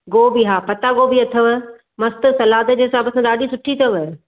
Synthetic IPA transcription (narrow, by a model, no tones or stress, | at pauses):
ɡoːbiɦaːpɐt̪aɡoːbiɐt̪ʰəʋ | mɐst̪ə̆sɐlaːd̪ə̆d͡ʑeːɦɪsaːbɐsãɗaːɗisʊʈʰit̪ʰɐʋ